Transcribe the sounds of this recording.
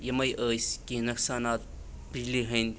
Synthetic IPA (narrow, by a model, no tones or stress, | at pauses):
jɐmɐjʔəːskinɐksaːnaːt̪̚ | pid͡ʒliɦɐ̃nd̪ʲ